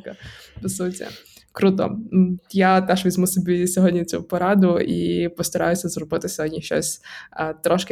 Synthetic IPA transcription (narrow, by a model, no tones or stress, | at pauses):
kɐpɪsutʲɐ̰ | kɾut̪ɔ̰jat̪ɛʃʋʲizʲmusʲɔbʲisʲɔɦɔdʲnʲit͡sʲṵpɔɾɑd̪ʊḭpɔst̪ɐɾɑ̰jʊsʲɐzrɔbɪt̪ɪsʲɔɦɔdʲnʲiʃt͡ʃɔ̰sʲt̪ɾɔʃkɪ